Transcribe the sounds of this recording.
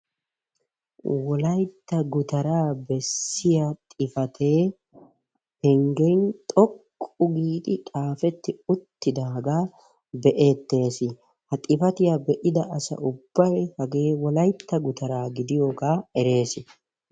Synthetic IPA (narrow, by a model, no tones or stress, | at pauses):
wɔlɐjt̪ːɐɡʊt̪ɐɾaːbɛsːɪjɐt̪ʼɪfɐt̪ʰe̞ː | hɛŋɡejnt̪ʼɔkʼːʊɡiːt̪ʼɪkʼaːfɛt̪ːɪʊt̪ːɪd̪ɐhɐɡaː | bɛʔe̞ːt̪ːe̞ːsɪ | hɐt̪ʼɪfɐt̪ɪjabɛʔɪd̪ɐʔɐsɐ̰ʔʊb̥ːɐjhɐɡe̞ːwɔlɐjt̪ːɐɡʊt̪ʰɐɾaːɡɪd̪ɪjoːɡaːɛɾe̞ːsɪ